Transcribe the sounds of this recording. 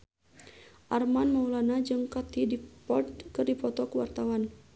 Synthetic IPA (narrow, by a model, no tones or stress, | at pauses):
ʔarmanmaulanad͡ʒɨŋkat̪idipɔrt̪kɨrdipɔt̪ɔkəwa̰rt̪awan